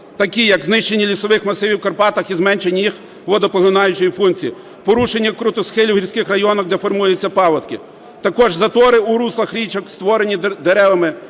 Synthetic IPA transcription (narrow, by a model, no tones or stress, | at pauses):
t̪ɐkʲijɐɡznɪʃt͡ʃenʲːilʲisɔʋɪxmɐsɪʋʲiwkɐrpɑt̪ɐxizmɛnʲt͡ʃenʲːijix | ʋɔd̪ɔpɔɦɔnɑjʊt͡ʃɔjifunkt͡sʲiji | pɔɾuʃenʲːɐkɾʊt̪ɔsxɪlʲiwɦiɾʲsʲkɪxrɐjɔnɐxd̪ɛfɔrmujʊt͡sʲːɐpɑlɐt̪kɪ | t̪ɐkɔʒzɐt̪ɔɾɪuɾuslˠɐxɾʲit͡ʃɐkst̪ʋɔɾenʲid̪eɾɛʋɐmɪ